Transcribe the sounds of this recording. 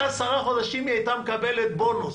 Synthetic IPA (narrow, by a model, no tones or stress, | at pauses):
asaʁaχo̞d̪aʃimjejt̪amekabelet̪̚bo̞nus